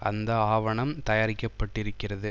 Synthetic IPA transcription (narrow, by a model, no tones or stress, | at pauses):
ʔɐnd̪ɐaːʋɐɳɐmt̪ɐjaːɾɪkːɐpːɐʈːɪɾɯkːɪrɐðɯ